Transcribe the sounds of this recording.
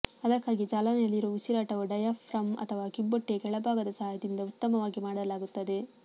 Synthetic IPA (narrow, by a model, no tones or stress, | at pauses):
ɐd̪ɐkːaːɡid͡ʒaːlɐnɐjɐlːiɾoːʋisiɾaːʈɐʋuɖɐjɐfɾɐmɐ̰t̪ʰɐʋaːkibːoʈːeɡɛɭɐbʱaːɡɐd̪ɐsɐɦaːjɐd̪ind̪ɐut̪ːɐmɐʋaːɡimaːɽɐlaːɡut̪ːɐd̪e̞